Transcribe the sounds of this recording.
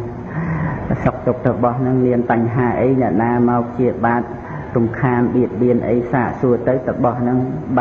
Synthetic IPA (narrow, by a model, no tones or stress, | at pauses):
sok̚t̪uk̚t̪əwɓɑhnɨŋniənpaɲɦaːʔəjnɛ̆əʔnaːmaɔpʰt͡ɕiəɓaːt̪̚ | rumkʰaːnɓiət̪̚ɓiənʔə̰jsaːʔsuət̪ɨwt̪əwɓɑhnɨŋɓ